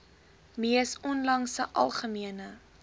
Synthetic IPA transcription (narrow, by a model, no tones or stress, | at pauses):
miəsɔnlɐŋsəʔɐ̰lˠχəmiənə